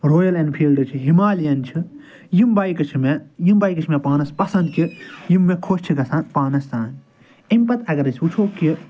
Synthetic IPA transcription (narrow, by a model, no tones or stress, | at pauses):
ɾoːjɐlɐ̃nɖpʰiːlɖɨt͡ʃʰiɦimaːljɐnt͡ʃʰi | jimbɐjkɐt͡ʃʰimejimbɐjkɐt͡ʃʰmepaːnɐspɐsɐnd̪kijimːẽkʰoːʃʲt͡ʃʰiɡɐsɐnpaːnɐst̪aːn | imʲpɐt̪ʰɐɡɐɾɐsʲut͡ʃʰoːkːi